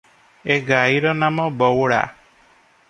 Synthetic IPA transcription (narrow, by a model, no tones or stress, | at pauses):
eɡaiɾɔnamɔbɔwɽa̰